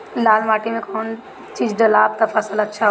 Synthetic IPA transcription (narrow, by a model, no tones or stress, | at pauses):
laːlmaːʈimẽkʰɔn | t͡ʃiːd͡ʒɖəlaːb̚t̪əpʰəsələtːʃʰa